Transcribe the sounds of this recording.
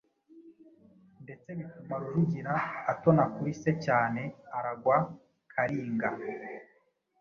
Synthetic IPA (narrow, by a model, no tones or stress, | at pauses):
nde̞t͡seɡifumaɾuɾuɟiɾaːtonakuɾisecaːne̞aɾaɡwa | kʰaɾiːŋɡa